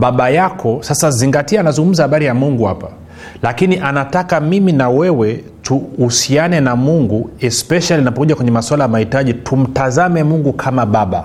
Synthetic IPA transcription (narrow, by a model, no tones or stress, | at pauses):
ɓaɓajakʰɔsasaziŋɡatiaːnazuŋɡum̩zahaɓaɾijamuŋɡuhapa | lakiniʔanatakamiminawɛwɛ | tuhusianɛnamuŋɡuɛspɛʃalinapɔkuʄakwɛɲɛmaswalajamahitaʄitʰum̩tazamɛmuŋɡukʰamaɓaɓa̰